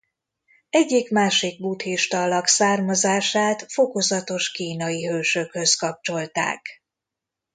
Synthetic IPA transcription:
ɛɟːikmaːʃiɡ̚buːt̪heːʃt̪ɒlːɒksaːrmɒzaːʃaːt̪fo̞ko̞zɒt̪o̞ʃkiːnɒjiɦøːʃø̞khø̞skɒp̚t͡ʃo̞lt̪a̰ːk

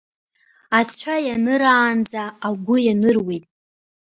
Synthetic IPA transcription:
at͡sʷʰajanɨɾaːnd͡zaːɡʷʊjanɨrwejtʼ

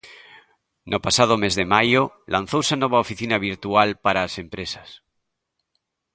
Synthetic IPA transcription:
nʔopasað̞omezðemajo | lʔan̟θowsanoβ̞aofiθinaβ̞iɾt̪ualpaɾaːsempɾesas

